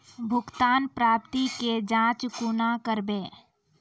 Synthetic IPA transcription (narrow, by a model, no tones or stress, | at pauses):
bʱʊɡt̪aːnpɾaːp̚t̪iked͡ʒãːt͡ʃkunakəɾbẽː